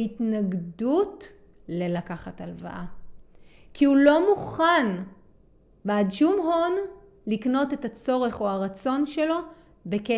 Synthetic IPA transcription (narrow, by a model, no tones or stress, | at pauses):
itnaɡdut | le̞lakaχatalva̰ʔa | kʰihulo̞muχan | beadʃumɦon | likno̞te̞that͡so̞ʁe̞χoaʁat͡so̞nʃe̞lo̞ | be̞ke